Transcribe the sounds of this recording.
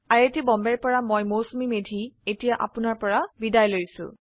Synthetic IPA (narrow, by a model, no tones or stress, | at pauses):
aɹetibɔmbɛɹpɔɹamojmosmimedʱietijaʔa̰pʊnaɹpɔɹabidajlojsʊ̰̃